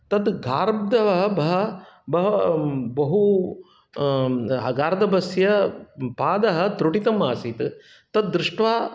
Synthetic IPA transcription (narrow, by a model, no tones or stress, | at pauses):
t̪ɐd̪ɡʱaːɾɐb̚d̪ɐʋɐɦɐbɐɦɐbɐɦɐbɐɦu | ɐɡaːɾd̪ɐbɐsjɐpaːd̪ɐɦɐ̆t̪ɾuʈit̪ɐmaːsit̪ | t̪ɐt̪̚d̪ːɾuʂʈʋaː